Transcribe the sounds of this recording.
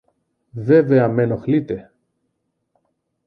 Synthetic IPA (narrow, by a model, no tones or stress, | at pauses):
veve̞ɐmenoxlit̪e